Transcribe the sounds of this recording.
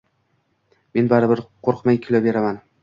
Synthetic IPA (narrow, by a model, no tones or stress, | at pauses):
me̞nbaɾɪbɪɾqʰoɾqmajʲkʲʰʊlabe̞ɾaman